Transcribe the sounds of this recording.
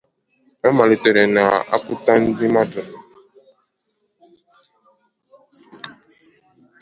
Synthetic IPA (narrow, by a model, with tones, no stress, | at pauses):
ɛ˦ma˨li˨tɛ˨ɾɛ˨na˨a̰˦ku˦ta˦n̩˦di˦ma˦tɔ˨n˨